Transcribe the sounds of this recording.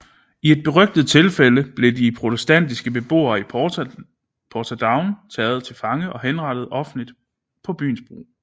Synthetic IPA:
ie̝d̥̚b̥e̝ʁœɡ̥̚d̥ð̞̩ˠt͡sʰe̝lfeləb̥le̝dipʰʁot͡sʰesd̥æn̰d̥isɡ̥əb̥e̝b̥o̝̰ːɐi | pʰɒt͡sʰæd̥ɑ̈ʊnt͡sʰɛːð̩ˠt͡sʰe̝lfɑ̈ŋəʔɒ̽ɦenʁɑ̈ɾ̥əð̞̩ˠɒ̽fn̩lid̥ | pʰɒ̽b̥y̰ːnsb̥ʁo̝̰ː

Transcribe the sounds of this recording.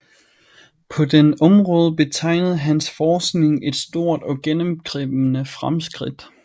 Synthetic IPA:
pʰɒ̽d̥enʔɒ̽mʁɔ̽ːð̞ˠb̥e̝t͡sʰɑ̈ɪ̰nəð̞̩ˠɦænsfɒːsɡ̥ne̝ŋe̝d̥sd̥o̝ɐ̰d̥ɒ̽ɡ̥enəmɡ̥ʁib̥nəfʁamsɡ̥ʁid̥

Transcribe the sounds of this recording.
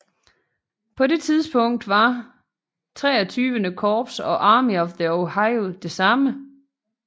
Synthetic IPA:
pʰɒ̽de̝t͡sʰið̞ˠsb̥ɔ̽ŋ̰d̥ʋɑ̈ | t͡sʰʁɛ̰ːɒt͡sʰyːʋənəkʰɒːb̥sɒ̽ʔɑ̈ːmiɒ̽fðəohɑ̈ɪod̥e̝sɑ̈mə

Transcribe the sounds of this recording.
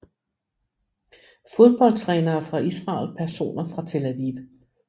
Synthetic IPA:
fo̝ðˠb̥ɒ̽l̰t͡sʰʁɛːnɐːfʁɑ̈isʁɑ̰̈ːlpʰæɐso̝̰ːnɐfʁɑ̈t͡sʰe̝lædiʋ

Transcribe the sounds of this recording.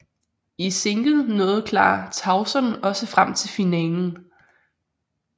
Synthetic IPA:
ise̝ŋɡ̥ð̩ˠnɔ̽ːð̞̩ˠkʰlɑ̰̈ːt͡sʰɑ̈ʊsɒnɒ̽səfʁam̰t͡sʰe̝lfinɛːln̩

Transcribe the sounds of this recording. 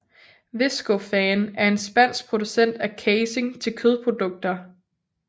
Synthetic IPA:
ʋe̝sɡ̥ofɛːnæɐe̝nsb̥æn̰sɡ̥̚pʰʁo̝d̥usen̰d̥ækʰeɪse̝ŋt͡sʰe̝lkʰøð̞ˠpʰʁo̝d̥ɔ̽ɡ̥̚d̥ɐ

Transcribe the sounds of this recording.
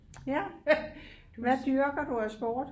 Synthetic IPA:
jæ | ʋæd̥yɐɡ̥ɐd̥uæsb̥ɔːd̥

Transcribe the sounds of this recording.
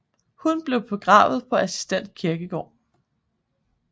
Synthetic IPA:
hunb̥le̝ʊpʰɒ̽ɡ̥ʁɑ̈ːʊð̩ˠpʰɒ̽æsi̥sd̥en̰d̥kʰiɐɡ̥əɡ̥ɒ̰ː

